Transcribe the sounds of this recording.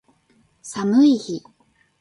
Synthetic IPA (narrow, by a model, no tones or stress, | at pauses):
samɯiçi